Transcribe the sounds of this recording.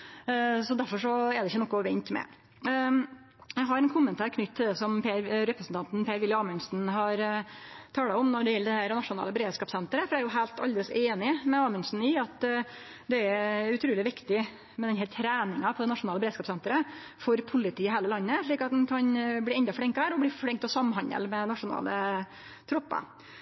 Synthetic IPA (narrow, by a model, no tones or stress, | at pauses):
sɔd̪æɾfɔʂɔɛɾɛɪçːənɔkːʊʋɛnt̪mɛ̰ | jæɪɦɑɾɛnkʰʊmːənt̪ʰæːɾkʰnʏt̪t̪ʰːɪld̪ɛsɔmpeɾɾɛpɾəsn̩t̪ʰɑnt̪n̩pʰeːɾʋɪlːɪɑːmʏnsn̩ɦɑɾt̪ʰɑːləɔmnɔɖɛjɛlːəd̪ɛhæːɾnɑʂʊnɑ̰ːləbəɾeːd̪skɑːpsɛnt̪ɾəfɔɾæɾjʊɦæɪlt̪ʰɑ̰ld̪ɛləseːnɪmɛɑːmʉnsn̩ɪɑt̪ | d̪ɛæʉt̪ʰɾʉːlɪʋɪkt̪ɪ | mɛd̪ɛnɦæːɾt̪ʰɾæːnɪŋɑpʰɔd̪ɛnɑʂʊnɑːləbɾeːd̪skɑːpsɛnt̪əɾə | fɔɾpʰʊlɪt̪ʰiːɪɦæːləlɑnːəʂɭiːkɑt̪̚d̪ɛnkʰɑnblɪɾɛnd̪ɑfɽɪŋkhæːɾɔbliːfɽɪŋkt̪ɔsɑmɦɑnə̰lmɛnɑʂʊnɑ̰ːlə̰ | t̪ʰɾʊpːɑ̰